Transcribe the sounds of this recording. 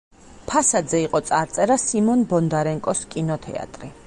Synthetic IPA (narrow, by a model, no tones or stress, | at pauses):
pʰasad̪zɛiqʼɔt̪sʼaɾt̪sʼɛɾasimɔnbɔnd̪aɾɛŋkʼɔskʼinɔt̪ʰɛ̰a̰t̪ʼɾi